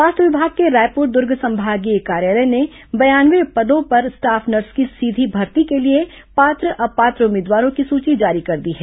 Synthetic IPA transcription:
ʋaːst̪əʋɪbʱaːɡ̚keɾaːjpʊɾd̪ʊɾɡʱsɐ̃mbʱaːɡiekaːɾjaːləne | bɐjaːnʋepɐd̪õpɐɾsʈaːpʰnɐɾskisiːd̪ʱibʱɐɾt̪ikelie | paːt̪ɾəʔɐpaːt̪ɾəʊmeːd̪ʋaːɾõkisuːt͡ʃid͡ʒaːɾikɐɾd̪iɦɛː

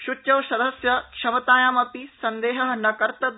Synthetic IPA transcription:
ʃut̪ːjɐʋsɐd̪ʱɐsjɐkʂɐmɐt̪aːjaːmɐpisɐnd̪eːɦɐɦɐnɐkɐɾt̪ɐ

